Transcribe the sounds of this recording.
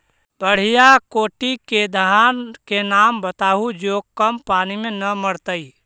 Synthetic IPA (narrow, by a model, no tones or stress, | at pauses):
bəɽ̤ijakoːʈiked̪ʱankenambət̪aɦud͡ʒoɡ̚kəmpanimenəməɽt̪əi